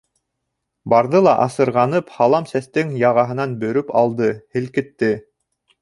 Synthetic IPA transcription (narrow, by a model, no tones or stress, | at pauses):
bɑɾðɤlˠɑʔɑsɤ̆ɾʁɑnɤphɑlˠɑmsæst̪ɘŋjɑʁɑɦɤ̆nɑnbɵ̆ɾɵpɑlˠd̪ɤhɘ̆lkɘ̆t̪ːɘ